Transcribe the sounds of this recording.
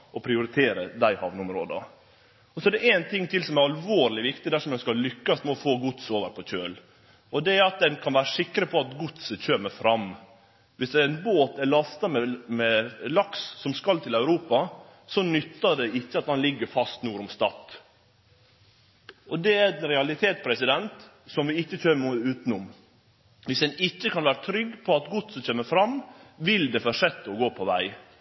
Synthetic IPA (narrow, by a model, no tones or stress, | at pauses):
ʔɔpʰɾɪʊɾɪt̪ʰeːɾəd̪æɪhɑʋnəʊmɾo̰ːd̪ɑ̰ | ɔsɔɛɖ̪ɛʔæːnt̪ʰɪŋːt̪ɪlsɔmæɾɑlʋoːɾlɪʋɪkt̪ɪd̪æʂɔmd̪ɛnskɑllʏkːɑst̪mɛɔfoːɡʊt̪soːʋəɾpʰɔc͡çøːl | ɔd̪ɛæɾɑt̪̚d̪ɛnkʰɑnʋæːɾəʂɪkːɾəpʰɔɑt̪ɡʊt̪səc͡çøːməɾfɾɑm | ʋɪsɛɛɪnboːt̪æɭɑst̪ɑmɛmɛlɑkssɔmskɑlt̪ʰɪlæʉɾuːpɑ | sɔnʏt̪ːɑɖ̪ɛɪçːəɑt̪hɑnlɪɡːəɾfɑst̪nuːɾʊmst̪ɑt̪ː | ʔɔd̪ɛænɾɛɑlɪt̪ʰeːt̪pʰɾɛsɪd̪ɛnt̪ | sɔmʋɪɪçːət͡ʃøːmʉːt̪nʊm | ʋɪsɛnɪcːəkʰɑnʋæːɾət̪ʰɾʏɡːpʰɔɑt̪ɡʊt̪səc͡çøːməfɾɑmːʋɪld̪ɛfɔʂɛt̪ːəɔɡoːpʰɔʋæ̰ɪ